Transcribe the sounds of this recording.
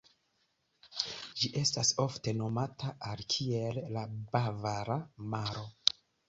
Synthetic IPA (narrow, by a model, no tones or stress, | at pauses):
d͡ʒiʔe̞staso̞fte̞no̞matʰaalkʰie̞lːabavaɾamaɾo̞